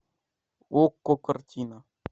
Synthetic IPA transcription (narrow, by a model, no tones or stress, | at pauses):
wokːokəɾtina